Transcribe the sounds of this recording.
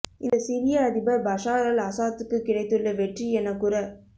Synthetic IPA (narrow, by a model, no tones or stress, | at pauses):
ʔɪnd̪ɐsɪɾɪjɐɐðɪbɐbɐʂaːɣɐlɐsaːt̪ːɯkːɯkːɪɽɐɪt̪ːɯɭːɐʋɛʈriɛnːɐkːuɾɐ